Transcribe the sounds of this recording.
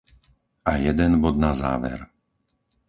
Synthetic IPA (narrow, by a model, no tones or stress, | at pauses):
ʔajɛd̪ɛnbɔd̪naza̰ːʋɛ̰ɾ